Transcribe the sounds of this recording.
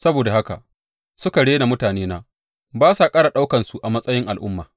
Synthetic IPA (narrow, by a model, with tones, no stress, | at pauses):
sɐ˦boː˨da˨ha˦ka̰˨ | sʊ˦ka˨ɽeː˦na˨mʊ˦taː˨neː˦naː˦ | baː˦sa˨kʼaː˦ɽa˨ɗa˦wkɐ˨nsu˨ʔa˨mɐ˦sʼɐ˦jɪ˦ŋʔa˨lʔʊ̰˦mːaː˨